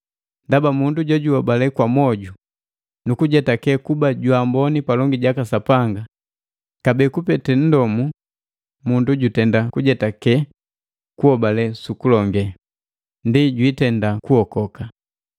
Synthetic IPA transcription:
ndabamunduɟɔɟuhɔbalɛkwamɔɟu | nukuɟɛtakɛkubaɟwambɔnipalɔŋɡiɟakasapaŋɡa | kabɛkupɛtɛn̩dɔmu | munduɟutɛndakuɟɛtakɛ | kuɔbalɛsukulɔŋɡɛ | ndiɟwitɛndakuhɔkɔka

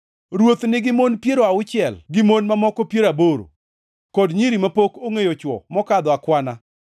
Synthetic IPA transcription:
ɾwot̪nɪɡɪmonpjeɾoaʊt͡ʃɪɛlɡɪmonmamɔkɔpjeɾaboɾo̰ | kɔdɲiɾimapokoŋejot͡ʃwɔ̰mɔkad̪ɔakwana

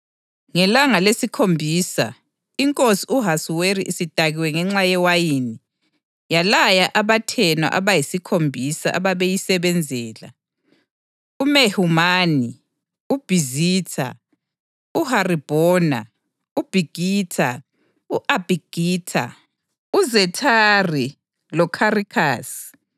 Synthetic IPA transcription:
ŋɛlaŋalesikʰombʱiːsa | iŋkʼosiuɦasuweɾiʔisid̥ʱaɣiwɛŋɛŋ͡ǁajɛwajiːni | jalajaʔaβatʰɛna̰ʔa̰βajisikʰombʱisaʔa̰βaβejisɛβɛnd͡zʱɛːla̰ | umehumani | ub̥ʱiziːtʰa̰ | uharib̥ʱɔːna | ub̥ʱiɡ̥ʱiːtʰa | uʔab̥ʱiɡ̥ʱiːtʰa̰ | uzɛtʰari | lɔkʰarikʰaːsi̥

